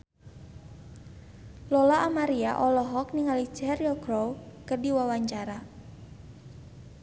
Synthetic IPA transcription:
lɔlaʔːmaɾiaʔɔlɔɦɔk̚niŋali̥d͡ʒɛrjɔɡɾowkərdiwawaɲt͡ʃaɾa

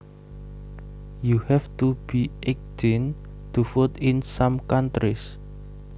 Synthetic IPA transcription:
juhɛft̪ub̥iʔɛk̚den | t̪ufʊt̪ɪnsamkant̪ɾis

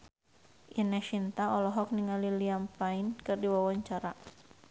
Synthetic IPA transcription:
ʔinɛʃint̪aɔlɔɦɔk̚niŋaliliampainkɨrdiwawaɲt͡ʃaɾa

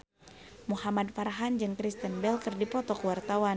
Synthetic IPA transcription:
muhamadfaɾaɦand͡ʒɨŋkɾist̪ənbɛlkɨrdipɔt̪ɔkəwart̪awan

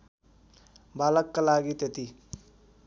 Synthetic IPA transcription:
balʌkːalaɡit̪et̪i

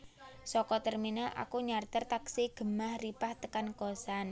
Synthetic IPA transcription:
sɔkɔt̪ərminəʔa̰kuɲart̪ərt̪aksiɡ̥ə̤mahripaht̪əkankɔsan

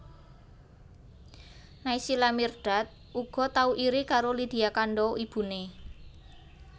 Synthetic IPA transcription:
naisilamirɖ̥a̤t̪̚ | ʔuɡ̥ɔ̤t̪auʔiɾikaɾolid̪̥i̤akaɳɖɔib̥ṳne

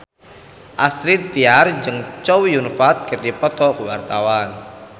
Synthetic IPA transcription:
ʔasɾid̪t̪iard͡ʒɨŋt͡ʃɔwjunfat̪̚kɨrdipɔt̪ɔkəwart̪awan

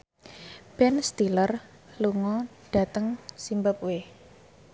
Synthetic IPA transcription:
b̥ɛnst̪ilər | luŋɔɖ̥a̤t̪əŋsimbəp̚we

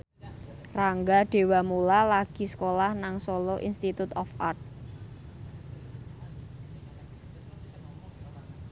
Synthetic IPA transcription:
raŋɡaɖ̥e̤wamulalaɡ̥i̤sə̥kolahnaŋsolɔʔinst̪it̪ut̪ɔfart̪̚

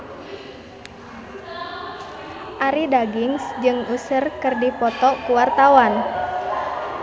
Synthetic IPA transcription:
ʔaɾidaɡiŋsd͡ʒɨŋusərkɨrdipɔt̪ɔkuwart̪awan

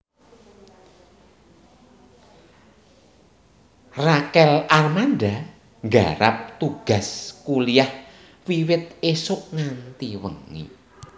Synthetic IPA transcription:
rakɛlarmanda | ŋɡaɾa̰p̚t̪uɡ̥a̤skuliah | wiwɪt̪̚esʊʔŋant̪iwə̰ŋːḭ

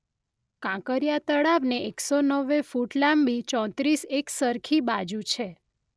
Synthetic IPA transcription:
kãkəɾjat̪əɽaʋneeksonəʋːefuʈlambit͡ʃɔ̃t̪ɾiseksəɾkʰibad͡ʒũt͡ʃʰe

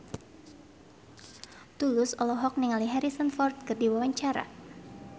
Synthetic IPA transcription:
t̪ulʊsɔlɔɦɔk̚niŋaliɦɛɾisɔnfɔrt̪̚kɨrdiwawaɲt͡ʃaɾa̰

